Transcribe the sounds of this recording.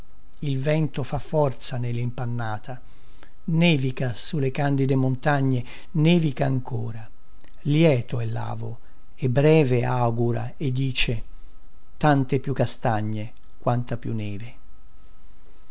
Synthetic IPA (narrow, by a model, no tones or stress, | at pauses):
ilvɛnt̪ofafːɔrt̪sanelːimpanːaːt̪ʰa | nɛːvikasulːekand̪id̪emont̪aɲːe | neːvikaːŋkʰoːɾa | ljɛːt̪oɛlːa̰ːvo̰ | ebːɾɛːveaɡuɾa̰ | ed̪ːiːt͡ʃe | t̪ant̪epjukːast̪aɲːe | kwant̪apjunːɛːve